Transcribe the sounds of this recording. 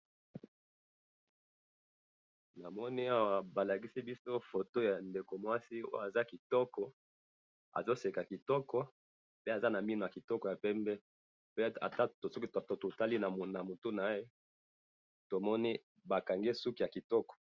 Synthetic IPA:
na˨mɔ˦ni˦a˦wa˨ba˨la˨ki˦si˦bi˦so˦fo˨to˦ja˨nde˨ko˨mwa˦si˦o̰˦jo˦a˨za˦ki˨tɔ˦kɔ˦ | a̰˨zo˦se˨ka˨ki˨tɔ˦kɔ˦ | pe˦a˨za˦na˨mi˦no˨ja˨ki˨tɔ˦kɔ˨ja˨pɛ˦mbɛ˦ | pe˦a̰˨ta˦tsɔ˦ki˦tto˨to˨ta˦li˦na˨mo˨na˨mo˨to˦na˨˦je˦ | to˨mɔ˦ni˦ | ba˨ka˨ŋɡe˦su˦ki˨ja˨ki˨tɔ˦kɔ̥˨

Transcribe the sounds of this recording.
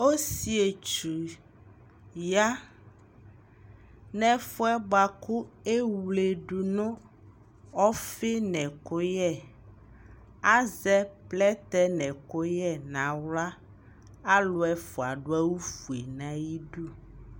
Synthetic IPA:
o˦si˦e˨t͡ʃu˨ | ja˦ | nɛ̃˦fɔ˦ɛ˦ɡ͡ba˨ku˦e˦wle˨ɖu˨nõ˦ | ɔ˦fe˦nɛ̃˨ko˦jɛ˦˨ | a˦zɛ˦plɛ˦t̪ɛ˦nɛ̃˨ko˦jɛ˦nã˨wla˦ | a˦lo˦ɛ˦fo˨a̰˨ɖo˦a˦wu˦fu˨e˨nã˨ji˦ɖu˦

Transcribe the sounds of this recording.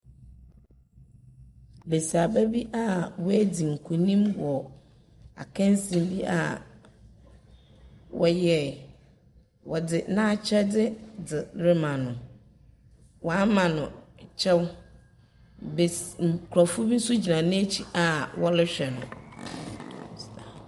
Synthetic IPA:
be˨si˨a˨bɛ˦bi˦ʔa˦wɔ˦æ˦di˨ŋ̩˨kʰu˨nĩ˦mwɔ˨ | a̰˨kʰɛ̃˦n˦sĩ˨m˦bi˦ʔa̰˨ | wɔ˨jɛ˦˨ | wɔ˨dɪ˨nã˦˨t͡ɕʰᶣɛ˦dɪ˦dɪ˨ɾɪ˦mã˨nʊ̃˨ | wʔɔ˨a˦mã˨nʊ̃˨t͡ɕʰɛ˦w | b̩˨kʰɾa˨fʊ˦bi˦n̩˦sʊ˦d͡ʑi˨nã˨nɪ̃˦e˦t͡ɕʰi˨a˨wɔ˦lɪ˦ɕᶣɛ˨nʊ̰̃˨

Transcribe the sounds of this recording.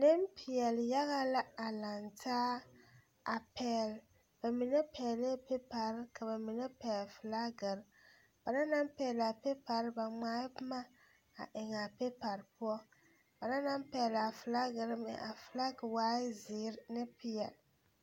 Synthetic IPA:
ne˦mpʰi˨jɛ˨lja˦ɣa˦la˦a˨la˨ntʰaː˦ | a˨pʰɛ˨l | b̥a˨mi˨nɛ˦pʰɛ˨le˦pe˦pa˨ɾka˨ba˨mi˨nɛ˦pɛ˨lfla˦ɡɨ˨ɾ | b̥a˨na˦na˦mpɛ˨la˨pe˦pa˨ɾba˨ŋ͡maː˦pma˦ | a̰˨ʔɪ˨ŋa˨pe˦pa˨ɾpʊ˦ɔ˦ | ba˨na˦na˦m˦pɛ˨la˨fla˦ɡɨ˨ɾmɪ̰˨ʔa˨fla˦ɡwa˦zɪ˨˦ɾnɪ˦pi˨ɛ˨l

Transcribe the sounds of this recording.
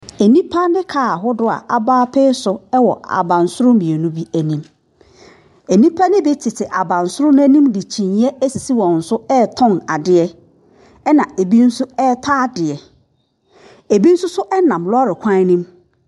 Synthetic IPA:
æ˨nĩ˦pʰa˦nɪ̃˦kʰaː˦˨˦ɦʊ˦dʊ˦a̰˨ʔa˨baː˦pʰɛ˦sʊ˨ɛ˦wɔ˨a̰˨bã˨n˨sʊ˦ʊ̃˦mmĩ˨ɛ˨nʊ̃˦bi˦æ˨nĩ˦m | æ˨nĩ˦pʰa˦nɪ̃˦bɛ˦tʰɪ˨tʰɪ˨ʔa˨bã˨n˨sʊ˦ɾʊ˦nʊ̃˦æ˦nĩ˦mdɪ˨t͡ɕʰĩ˨n˦ɛ˦æ˦si˨si˦wɔ̃˨n̩˨sʊ˦ɛ˦tʰɔ̃˦˨na˨dɪ˨ɛ˦ | ɛ˦nã˨e˨bi˦n̩˦sʊ˦ɛ˦tʰa˦dɪ˨ɛ˨ | e˨bi˦n̩˦sʊ˦sʊ˦ʔɛ˦nã˨mlʊ˦a˦ɾɪ˨kʷʰã˦nĩ˦m

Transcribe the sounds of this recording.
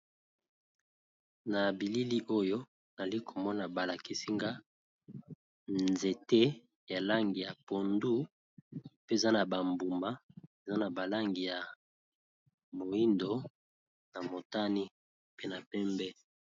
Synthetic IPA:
na˨bi˨li˦li˦ʔo˦jo˦ | na˨li˦kʰo˨mɔ˦na˨ba˨la˨ki˨si˦ŋɡa˦ | nze˨te˦ | ja˨la˦ŋɡi˨ja˨po˨ndu˦ | pe˦˨za˦na˨ba˨mbu˨ma˦e˨za˦na˨ba˨la˦ŋɡi˨ja˨ | mo˨i˦ndo˦ | na˨mo˨ta˦ni˦ | pe˦na˨pɛ˦mbɛ˦

